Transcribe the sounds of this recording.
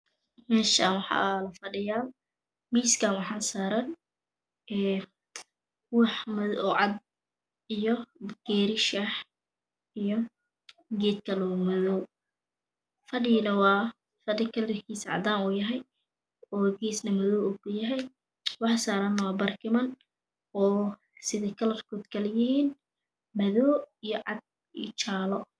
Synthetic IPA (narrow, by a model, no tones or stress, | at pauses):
mɛːʃa̰ːnwɑħɑ̰ːlɐfɐɖɪjaːl | miːskʰaːnwɑħɑːnsaːɾɐn | ʔɛː | wɑħmʊðɔʕɑd̪ | ijɔɡ̥ɛːɾɪʃɐħ | ijɔ | ɡɛːt̪̚kʰɐlɔːmɔðɔw | fɐɖiːnɐwɑː | fɐɖɪkʰɐlɪrkʰiːsɐʕɑ̰d̪aːnuːjɐɦɛj | ɔːɡiːsnɐmɐðɔːwuːkʰʊjɐɦɛj | wɑħsaːɾɐnwɑːbɐrkʰɪmɐn | ɔː | sɪðɪkʰɐlɐrkʰɔːd̪kʰɐlɛjɪhiːn | mɐðɔːijɔʕɑd̪̚ | ḭːt͡ʃaːlɔ